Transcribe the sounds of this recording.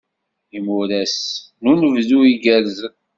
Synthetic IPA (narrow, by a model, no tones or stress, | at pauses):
imuɾæsnunəvðuiɡæɾzə